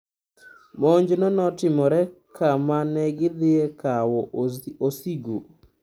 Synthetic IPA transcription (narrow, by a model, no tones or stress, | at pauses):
moɲd͡ʒnɔnɔtɪmɔɾɛkʰamanɛɡɪd̪ɪɛkawɔosiɡo